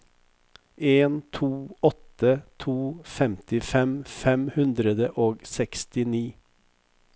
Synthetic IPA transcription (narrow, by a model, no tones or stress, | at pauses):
ʔeːnt̪ʰuːɔt̪ət̪ʰuːfɛmt̪ɪfɛmfɛmhʉnd̪ɾəd̪əʔoːɡsɛkst̪ɪniː